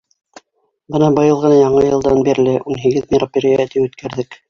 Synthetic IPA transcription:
bɤnɑbɤ̆jɤlˠʁɤ̆nɑjɑɴɤjɤ̆lˠd̪ɑnbiɾ̆lɘʔunɦiɡɘðmʲɪropʲeɾʲijt̪ipʉt̪kʰæɾðɘk

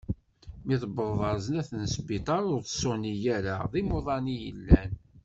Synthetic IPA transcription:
miðəbəððˤɑɾznæθənsbit̪ˤɑɾʊɾsonijæɾaðˤimoðˤɑnijəlːæn

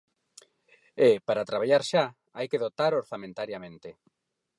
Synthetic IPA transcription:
epaɾat̪ɾaβ̞aʎaɾʃa | ajkeðot̪aɾoɾθamẽnt̪aɾjamẽnt̪e

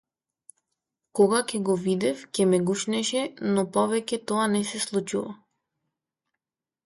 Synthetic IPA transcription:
kɔɡakɛɡɔvid̪ɛfcʲɛmɛɡuʃnɛʃɛnɔpɔvɛcɛt̪ɔanɛsɛslˠut͡ʃuva

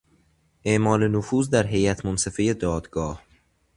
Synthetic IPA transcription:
ʔe̞ʔmɒːle̞nofuːzd̪æɾɦe̞jæt̪ʰmonse̞fejed̪ɒːd̪̥ɡɒːh

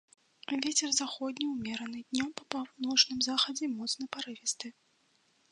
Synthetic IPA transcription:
vʲet͡sʲɛrzaxɔd̪ʲnʲiwmʲɛɾɐnɨd̪ʲnʲɔmpɐpawnɔt͡ʂnɨmzaxɐd͡zʲɛmɔt̪snɐpaɾɨvʲɛst̪ɨ

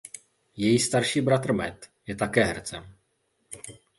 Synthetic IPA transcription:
jɛjiːst̪aɾʃiːbɾat̪ɾr̩mɛt̪jɛt̪akɛːɦɛɾt͡sɛm

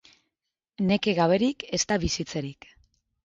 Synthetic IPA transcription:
ne̞ke̞ɣaβe̞ɾikest̪aβisit͡se̞ɾik

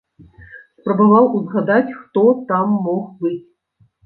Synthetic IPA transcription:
spɾɐbavawuzɣad̪at͡sʲxt̪ɔt̪amːɔxbɨt͡sʲ

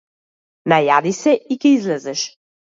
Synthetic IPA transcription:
najad̪isɛikɛizlɛzɛʃ

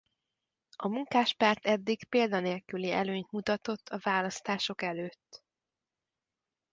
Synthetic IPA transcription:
ɒmuŋkaːʃpaːrt̪ɛd̪ːikpeːld̪ɒneːlkyliɛ̰løːɲt̪mut̪ɒt̪o̞t̪ʰːɒvaːlɒst̪aːʃo̞kɛløːt̪ː

